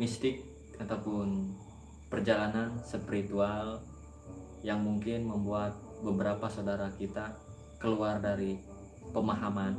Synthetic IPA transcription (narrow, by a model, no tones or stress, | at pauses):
mist̪ɪk̚ | at̪awpʊn | pərd͡ʒalanansəpiɾit̪ual | jaŋmuŋkɪnməmbuat̪̚bəbəɾapasawdaɾakit̪a | kəluardaɾi | pəmaɦaman